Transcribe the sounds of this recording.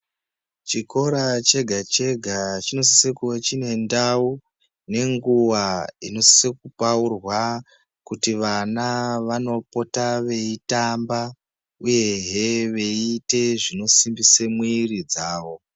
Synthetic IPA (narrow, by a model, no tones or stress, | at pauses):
t͡ʃiko̞ɾat͡ʃe̞ɡʱat͡ʃe̞ɡʱat͡ʃino̞si̥sekuwet͡ʃine̞ndau | ne̞ŋɡuwaino̞si̥sekupaurwa | kutiʋanaʋano̞po̞taʋe̞itamba | uje̞ɦeʋe̞ite̞ʐino̞simbisemwuirid͡zaːʋo̞